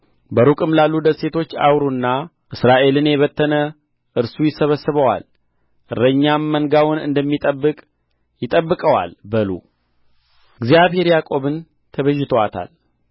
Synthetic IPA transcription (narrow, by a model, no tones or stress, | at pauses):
bəɾukʼɨmlalːud̪əsse̞t̪ʰo̞t͡ʃːa̰wɾunːa | ʔɨsɾaʔe̞lɨnjɛβət̪ʰːənə | ʔɨɾsujɪsəβəsːɨβəwa̰l | ʔɨrːəɲːamːəŋɡawʊnɨ̰nd̪əmːit̪ʼəbːɨkʼ | jɪt̪ʼəbːɨkʼəwa̰lbəlṵ | ɨɡzijaβɦe̞ɾjakʼo̞βɨn | t̪ʰəβəʒːɪt̪ʰowat̪ʰa̰l